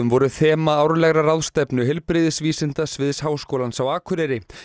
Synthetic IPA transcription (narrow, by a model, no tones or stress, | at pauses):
ʏmvɔɾʏθɛːmaaːwɾlɛɣɾaraðst̪ɛpnʏɦɪlpɾɪðɪsviːsɪn̥t̪asvɪðshaːwskowlansawaːkʰʏɾɛɾɪ